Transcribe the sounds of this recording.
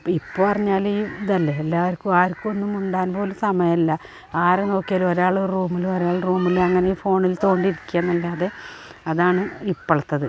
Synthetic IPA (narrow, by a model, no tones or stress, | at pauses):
ipːoːpɐrɐɲːaːliːd̪ɐlːɐelːaːʋɐɾkʲːumaːɾkʲːuonːumuɳɖaːnpo̞ːlumsɐmɐjɐɐlːɐ | aːɾeno̞ːkːijaːlo̞ɾaːɭɨruːmilumoɾaːɭɨruːmːiluɐŋːɐne̞iːfo̞ːɳilt̪o̞ːɳɖiiɾikʲːujanːɐlːaːðe̞ɐðaːɳɨipːɐɭɐt̪ːɐðɨ